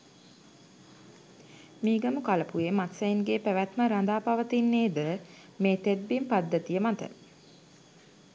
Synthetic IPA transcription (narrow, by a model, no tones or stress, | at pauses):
miːɡəmukaləpujemat̪sæjiŋɡeːpæʋæt̪məɾand̪aːpaʋət̪inːeːd̪ə | meːt̪ed̪̚bimpad̪ːət̪ijəmat̪ə̰